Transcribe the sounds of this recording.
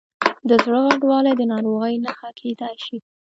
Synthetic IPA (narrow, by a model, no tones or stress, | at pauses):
d̪əzɽəɣaɖwɑlad̪ənɑɾoɣəjnaxakʰed̪ajʃi